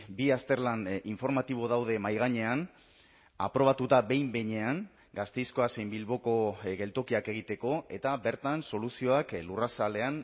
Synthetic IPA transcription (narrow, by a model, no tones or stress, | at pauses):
biast̪e̞ɾlaniɱfo̞ɾmat̪iβ̞o̞ðawðe̞majɣ̞aɲe̞an | a̰pɾo̞βat̪ut̪aβe̞jmbe̞ɲe̞aŋ | ɡast̪ejskoasejmbilβo̞ko̞ɣe̞lt̪o̞kiake̞ɣ̞it̪e̞ko̞e̞t̪abe̞ɾt̪anso̞lusio̞aklurasale̞an